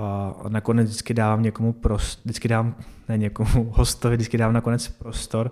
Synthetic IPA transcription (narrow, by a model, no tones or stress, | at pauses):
anakonɛd͡zdɪt͡skɪdaːvamɲɛkomupɾosdɪt͡skɪdaːvamnɛɲɛkomuhost̪ovɪdɪt͡skɪdaːvamnakonɛt͡spɾost̪oɾ